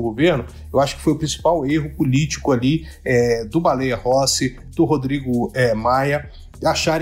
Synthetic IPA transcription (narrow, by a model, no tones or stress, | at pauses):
ʊɡoveɾnʊ | ewaʃʊ̥kɪ̥fojʊpɾĩsi̥paweɦʊpolit͡ʃi̥kʊali | ɛd̪ʊbalejɐhɔsɪ | d̪̥ʊɦod̪ɾiɡʊɛmajɐ | aʃaɾ